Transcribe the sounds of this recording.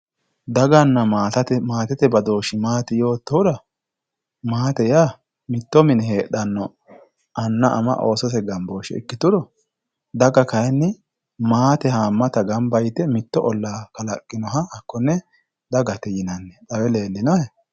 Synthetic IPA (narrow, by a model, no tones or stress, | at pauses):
d̪ɐɡɐnːɐmaːt̪ɐt̪ɛmaːt̪ɛt̪ɛbɐd̪oːʃɪmaːt̪ɪjo̞ːt̪ːɔɾɐ | maːt̪ɛjaː | mɪt̪ːɔmɪnheːɗɐnːɔ | ʔɐnːɐʔɐ̰mɐ̰ʔoːsɔs̬ɛɡɐmbo̞ːʃɛ̰ɪ̰kːɪt̪ʊɾɔ | d̪ɐɡɐkɐjɛnːɪ | maːt̪ɛhaːmːɐt̪ɐɡɐmbɐjt̪ɛmɪt̪ːɔʔɔlːaːkɐlɐkʼːɪnɔɦɐhɐkːɔnːɛ | d̪ɐɡɐt̪ɛjɪnɐnːɛᶑʼɐwɛleːlːɪnɔhɛ